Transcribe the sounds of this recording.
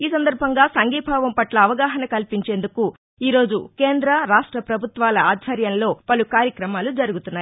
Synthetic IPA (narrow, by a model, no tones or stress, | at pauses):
iːsɐnd̪ɐɾbʱɐŋɡaːsɐŋɡiːbʱaːʋɐmpɐʈlɐːʋɐɡaːɦɐnɐkɐlpiɲt͡ʃe̞ːnd̪uku | iːɾo̞ːd͡ʒṵke̞ːnd̪ɾɐɾaːʂʈɾɐpɾɐbʱut̪ʋaːlɐaːd̪ʱʋɐɾjɐnlo̞ːpɐlukaːɾjɐkɾɐmaːlud͡ʒɐɾuɡut̪unːaːji